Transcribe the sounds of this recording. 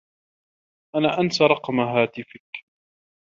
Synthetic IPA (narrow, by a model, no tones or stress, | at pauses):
ʔanaːʔansaɾˤɑqmaɦaːt̪ɪfɪk